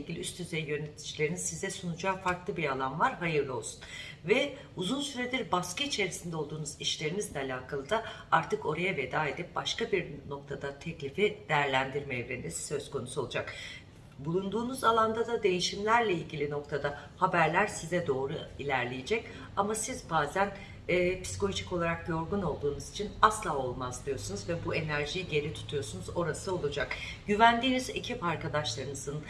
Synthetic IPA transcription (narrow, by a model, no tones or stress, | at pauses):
eilʲɟilʲiyst̪ʰyzejijø̞net̪ʰi̥d͡ʒilʲe̞ɾiniz̥sizɛsunud͡ʒaːfaɾklˠɯbiɾalˠanvaɾɦajɯɾlˠɯo̞lˠsu̥n | vɛ | uzunsyɾed̪iɾbaskɯit͡ʃʰe̞ɾisind̪ɛo̞lˠd̪uːnuziʃlʲe̞ɾinizlʲɛalʲaːkʰalˠɯd̪aaɾt̪ʰɯko̞ɾajave̞d̪aːed̪ip̚baʃkabiɾno̞k̚t̪ʰad̪at̪ʰɛclʲifid̪̥ejæɾlʲænd̪iɾmɛɛvɾend̪ɛsi̥sø̞zko̞nusuolˠud͡ʒak | bulˠund̪uːnuzalˠand̪ad̪ad̪e̞jiʃimlʲæɾlʲɛilʲɟilʲino̞k̚t̪ʰad̪ahabæɾlʲæɾsizɛd̪o̞ːɾuilʲæɾlʲejed͡ʒɛc | amasizbaːzæn | ɛːpʰi̥si̥koot͡ʃico̞lˠaɾak̚jo̞ɾɡuno̞lˠd̪uːnuzit͡ʃʰinaslˠaːo̞lˠmazd̪ijo̞sunuzvɛbue̞næɾʒijɟe̞lʲit̪ʰu̥t̪ʰujo̞sunuzo̞ɾasɯo̞lˠud͡ʒak | ɟyvænd̪iːnize̞cʰipaɾkad̪aʃlˠaɾɯnɯzɯn